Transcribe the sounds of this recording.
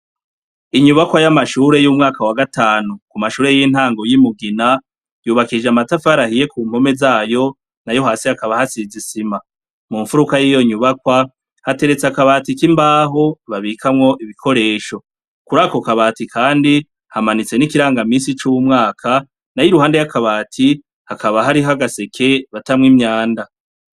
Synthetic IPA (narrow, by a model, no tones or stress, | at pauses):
iɲuβakwajamaʃuːɾe̞juːmŋaːkawaɡataːnukumaʃuːɾe̞jin̥haːŋɡo̞jimuɡina | juːβakid͡ʒeamatafaɾahije̞kuːm̥ho̞me̞zaːjo̞ | najo̞ɦaːsiakaβahasizisima | muːɱfuɾukajiːjo̞ɲuβakwa | hate̞ɾe̞t͡seakaβaːtikimbaːɦoβaβikʰamŋo̞ʔiβikʰo̞ɾe̞ːʃo̞ | kuɾaːko̞kaβaːtikʰaːndi | hamanit͡se̞nikiɾaːŋɡamiːsit͡ʃumŋaːkʰa | najiɾuhaːnde̞jakaβaːtʰi | hakaβaɦaɾiɦaɡase̞kʰe̞βatamŋimɲaːnda